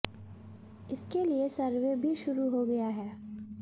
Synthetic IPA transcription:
ɪskeliesɐɾʋebʱiʃʊɾuɦoɡɐjaɦɛː

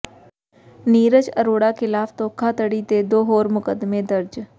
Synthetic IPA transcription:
niːɾəd͡ʒəɾoːɽakʰɪlaːft̪oːkʰat̪əɽit̪ed̪oːɦoːɾmʊkəd̪mẽd̪əɾd͡ʒ

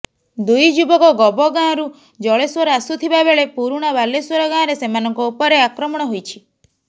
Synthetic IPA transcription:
d̪ujd͡ʒubɔkɔɡɔbɔɡãɾu | d͡ʒɔɭeswɔɾɔasut̪ʰibabeɭepuɾuɽ̃ɔbaleswɔɾɔɡãɾesemanɔŋkɔupɔɾeakɾɔmɔɽ̃ɔɦojt͡ʃʰi̥

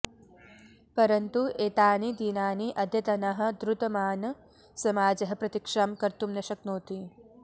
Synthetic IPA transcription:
pɐɾɐnt̪uʔeːt̪aːnid̪iːnaːniʔɐd̪ʱjɐt̪ɐnɐɦɐ̆d̪ɾut̪ɐmaːnɐ | sɐmaːd͡ʒɐɦɐ̆pɾɐt̪ikʂaːmkɐɾt̪umnɐʃɐk̚noːt̪i

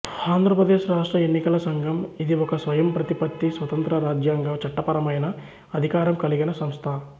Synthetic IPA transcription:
aːnd̪ɾɐpɾɐd̪eːʃɾaːʂʈɾɐenːikɐlɐsɐŋɡʱɐmid̪iɔkɐsʋɐjɐmpɾɐt̪ipɐt̪ːisʋɐt̪ɐnt̪ɾɐɾaːd͡ʒjaːŋɡɐt͡ʃɐʈːɐpɐɾɐmɐjnɐ | ɐd̪ʱikaːɾɐmkɐliɡinɐsɐmst̪ʰa

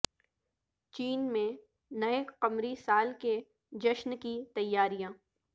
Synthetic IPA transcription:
t͡ʃiːnmẽ | nɐeqɐmɾisaːlke | d͡ʒɐʃnkit̪ɐjːaːɾijãː

